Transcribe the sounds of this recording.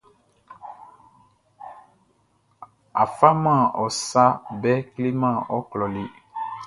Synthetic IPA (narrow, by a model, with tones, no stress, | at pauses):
a˨fa˦mã˦˨ɔ˨sa˦bɛ˦kle˦mã˦˨ɔ˦klɔ˨li˦